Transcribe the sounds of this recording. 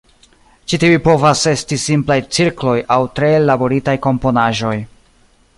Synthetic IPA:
t͡ʃitiupo̞vase̞stisimplajt͡siɾklo̞jawtɾe̞labo̞ɾitajko̞mpo̞naʒo̞j

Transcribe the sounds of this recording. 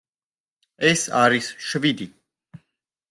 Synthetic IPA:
ɛsa̰ɾisʃvid̪i

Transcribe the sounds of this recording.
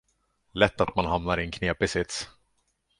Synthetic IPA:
lɛt̪ːat̪manɦamnaɾɪɛnkʰneːpɪsɪt̪s

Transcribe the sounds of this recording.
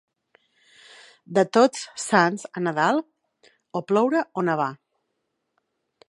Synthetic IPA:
d̪ət̪ot͡ssanzənəðalˠ | oplɔwɾəonəβ̞a

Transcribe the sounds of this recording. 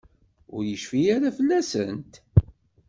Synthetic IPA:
ʊɾjəʃfijaɾafəlːæsə̰nt̪

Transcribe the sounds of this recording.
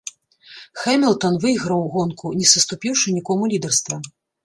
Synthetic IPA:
xɛmʲilˠt̪ɐnvɨjɣɾɐwɣɔnkunʲɛsɐst̪upʲiwʂɨnʲikɔmulʲid̪ɛrst̪vɐ

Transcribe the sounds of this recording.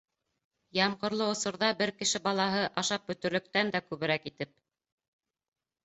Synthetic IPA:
jɑmɢŏɾlˠɤŏsŏɾðɑbɘɾkɘ̆ʃɘbɑlˠɑɦɤʔɑʃɑp̚bɵ̆t̪ɵ̆ɾlɵ̆k̚t̪ænd̪ækʉβɘ̆ɾækit̪ɘp̚

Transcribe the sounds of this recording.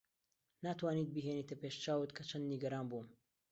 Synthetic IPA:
naːt̪waːniːt̪̚biɦeniːt̪ɐpeʃt͡ʃaːwɨt̪kʰɐt͡ʃʰɐnd̪niɡɐɾaːnbum

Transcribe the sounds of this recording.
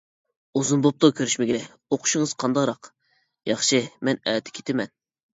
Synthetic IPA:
uzunbop̚t̪okʲʰøɾyʃmɪɡʲeɛ | oqʰʊ̥ʃɪŋəz̥qʰɑnd̪ɑʁɾɑq | jɑχʃimɛnɛːt̪ʰɪ̥kʲʰe̥t̪ʰɪmɛn

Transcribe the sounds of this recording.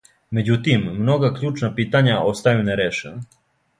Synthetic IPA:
me̞d͡ʑut̪imːno̞ɡakʎuːt͡ʃnapiːt̪aɲaʔo̞st̪ajuneɾeʃḛna

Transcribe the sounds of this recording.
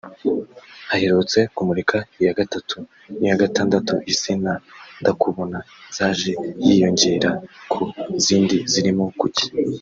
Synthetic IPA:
haheɾot͡se̞kumuɾikʰaijaɡatatʰu | nijaɡataːndatṵʔisinandakʰuβo̞na | z̥aːʒe̞jḭjo̞ɲɟeɾakʰuziːndiziɾimo̞kuci̥

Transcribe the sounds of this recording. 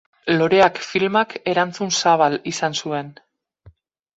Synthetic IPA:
lo̞ɾe̞akfilmake̞ɾant͡sunsaβalisansue̞n

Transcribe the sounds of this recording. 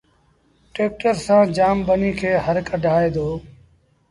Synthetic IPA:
ʈeːk̚ʈəɾsãːd͡ʒaːmɓəniːkʰeːɦəɾkʰəɖʱaːeːd̪oː

